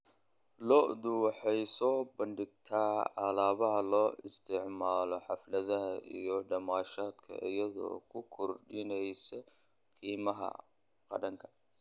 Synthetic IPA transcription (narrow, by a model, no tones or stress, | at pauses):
lɔʔd̪ʊwɑħɑjsɔːbɐnɖɪɡ̚t̪ʰaːʕalaːβɐɦɐlɔːɪst̪ʰɪʕmaːlɔħɑflɐðɐɦɐʔijɔɖɐmaːʃaːd̪kʰɐ̰ʔɪjɐðɔ̰ːkʰʊkʰɔrɖɪnɛjsɔ | kʰiːmɐɦɐ̰ | qɑ̰ɽɐŋkʰɐ̥